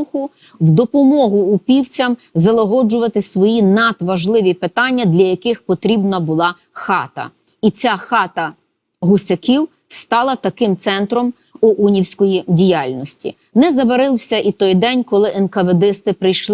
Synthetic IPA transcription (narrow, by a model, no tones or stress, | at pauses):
xʊwd̪ɔpɔmɔɦʊːpʲiwt͡sʲɐm | zɐlˠɔɦɔd͡ʒʊʋɐt̪ɪsʋɔjinɐt̪ʋɐʒlˠɪʋʲipɪt̪ɑnʲːɐd̪lʲɐjɐkɪxpɔt̪ɾʲibnɐbʊlˠɑ | xɑt̪ɐ̰ | it͡sʲaxɑt̪ɐ | ɦʊsʲɐkʲiw | st̪ɑlˠɐt̪ɐkɪmt̪sɛnt̪ɾɔm | ʊʔunʲiwsʲkɔjidʲijalʲnɔsʲtʲḭ | nɛzɐbɐɾɪlˠsʲɐʔit̪ɔjd̪ɛnʲkɔlˠɪʔɛnkɐʋed̪ɪst̪ɪpɾɪjʃlˠ